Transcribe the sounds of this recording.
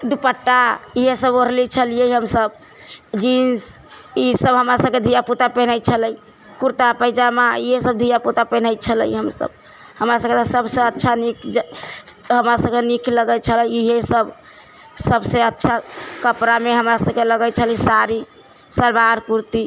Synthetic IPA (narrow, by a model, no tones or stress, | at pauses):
ɖupəʈːaiɦesəboɾlit͡ʃʰəlijəjɦəmsəb | d͡ʒinsisəbɦəmɾasəb̚ked̪ʱijaput̪apɛɦnəjt͡ʃʰələi | kuɾt̪apəjd͡ʒamaiɦesəb̚d̪ʱijaput̪apɛɦnəjt͡ʃʰələ̰iɦəmsə̰b̚ | həmɾasəb̚ket̪asəbsẽətːʃʰanikʰd͡ʒ | ɦəmɾasəb̚kenikʰləɡət͡ʃʰələjiɦesəb | səbsẽətːʃʰakəpɾameɦəmɾasəbkeləɡət͡ʃʰəlisaɾi | səɾbaɾkuɾt̪i